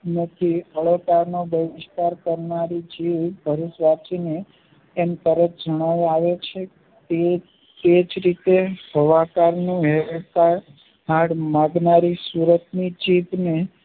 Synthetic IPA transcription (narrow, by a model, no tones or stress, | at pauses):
nət̪ʰiəɭokaɾnobəʋɪst̪aɾkəɾnaɾid͡ʒiʋbʱəɾusʋat͡ʃineː | mt̪əɾət̪̚ʰd͡ʒəɽ̃aʋaʋet͡ʃʰe | e | t̪ed͡ʒɾit̪eɦəʋakaɾnũɦet̪a | ɦaɽmãɡnaɾisuɾət̪nid͡ʒiʋne